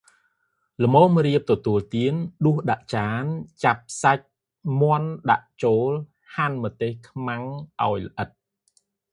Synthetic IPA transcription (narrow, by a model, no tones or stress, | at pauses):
lə̆moːmriəp̚t̪ɔt̪uəlt̪iənɗuəhɗaʔt͡ɕaːnt͡ɕap̚sac̚ | mŏənɗaʔt͡ɕoːl | haːnmɔt̪eːhkʰmaŋʔa̰ɔjlə̆ʔət̪̚